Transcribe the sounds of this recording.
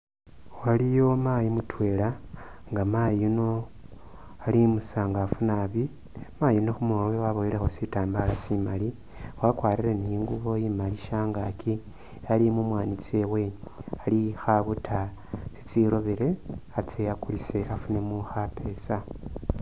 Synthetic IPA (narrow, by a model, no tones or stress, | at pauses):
walijo̞majimutʰwe̞ːlaŋɡamajino̞ | alimusaŋɡafunaːβi | majino̞xumuowewaβojilexo̞sitaːmbalasimali | wakwaːɾiɾe̞nijiŋɡuβo̞jimaliʃaŋɡakʰi | alimumwaːnit͡sie̞we̞alixaβutʰa | sit͡siɾo̞βiɾe̞at͡sejakulise̞ʔafune̞muxate̞sa